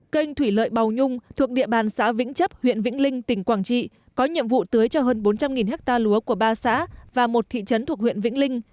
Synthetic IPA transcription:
kə˧jŋ̟t̪ʰwi˧˩lə̰ː˧˨jɓa˨˩wɲʊ˧ŋ͡mt̪ʰu˨˩ək̚ɗḭ˧˨əɓaː˨˩nsa̰ː˧˥vḭ˧˥ŋ̟t͡ɕə˦˥p̚hwḭ˧˨ənvḭ˧˥ŋ̟lï˧ŋ̟t̪ï˧˩ŋ̟kwaː˧˩ŋt͡ɕḭ˧˨ | kɔ˨˦ɲḭ˧˨əmvṵ˧˨t̪ɨ˨˦əjt͡ɕɔ˧ɦəː˧nɓo˨˦nt͡ɕa˧mŋi˨˩nhɛ˦˥k̚t̪aː˧lu˨˦əku˧˩əɓaː˧sa̰ː˧˥vaː˨˩mo˨˩t̚t̪ʰḭ˧˨t͡ɕə˨˦nt̪ʰək̚wḭ˧˨ənvḭ˧˥ŋ̟lï˧ŋ̟

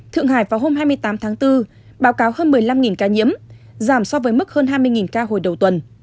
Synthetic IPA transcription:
t̪ʰɨ̰˧˨əŋhaː˧˩jvaː˨˩ɦo˧mhɦaː˧jmɨ˧əjt̪aː˨˦mt̪ʰaː˨˦ŋt̪ɨ˧ | ɓaː˨˦wkaː˨˦whəː˧nmɨ˨˩əjla˧mŋi˨˩nkaː˧ɲḭ˧˥əm | zaː˧˩msɔ˧vəː˨˦jmɨ˦˥k̚həː˧nɦaː˧jmɨ˧əjŋi˨˩nkaː˧ɦo̰˧˩jɗə˨˩wt̪wə˨˩n

